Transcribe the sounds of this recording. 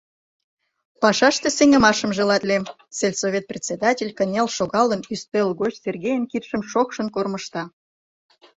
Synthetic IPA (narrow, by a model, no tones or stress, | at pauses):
pɑʃɑʃt̪e̽seŋə̆mɑʃəmʒĕlɑt̪lʲem | selʲsovʲet̪̚prʲet͡sʲed̪ɑtʲelʲkə̆nʲelʃoɣɑlənyst̪ølɣoɕt̪ʲserɣʲejənkirʃəmʃokʃə̆nkorməʃt̪ɑ